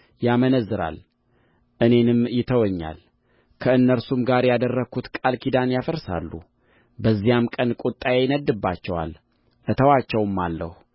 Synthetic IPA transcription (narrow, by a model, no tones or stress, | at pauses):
jamənəzːɨɾa̰l | ʔɨne̞nɨmjɪt̪ʰəwɔɲːa̰l | kʰəɨnːəɾsumɡaɾjad̪ərːəkʰut̪kʼalkʰid̪anjafəɾsa̰lːṵ | bəzːijamkʼənkʼut̪ʼːajejɪnəd̪ːɨbːat͡ʃːɛwa̰l | ʔət̪ʰəwat͡ʃːɛwmːalːə̰hu